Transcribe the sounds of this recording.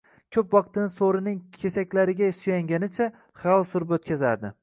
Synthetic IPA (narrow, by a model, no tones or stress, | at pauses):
kʲʰɵpvɒq̚t̪ɪnɪsoɾɪnɪŋkʲʰesakʲlaɾɪɡʲasʊjaŋɡʲanɪt͡ʃʰa | χawsʊɾɪbpot̪̚kʲʰazaɾd̪ɪ